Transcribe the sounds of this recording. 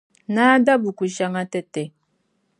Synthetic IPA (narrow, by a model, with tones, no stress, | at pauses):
naː˦da˦bu˨ku˨ʃa˦ŋa˦tɛ˦tɛ˨